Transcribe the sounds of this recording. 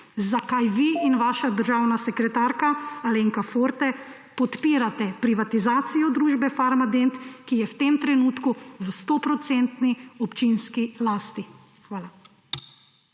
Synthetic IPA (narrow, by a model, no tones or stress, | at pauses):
zakajʋiːnʋaːʃad̪əɾʒaːwnasɛkɾɛt̪aːɾkaaleŋkafoɾt̪ɛ | pɔt̪piːɾat̪ɛpɾiʋat̪izaːt̪sijɔd̪ɾuːʒbɛfaɾmad̪ent̪kijɛwt̪emt̪ɾɛnuːt̪kuʋst̪ɔpɾɔt̪sent̪niɔpt͡ʃinskilaːst̪i | xʋaːla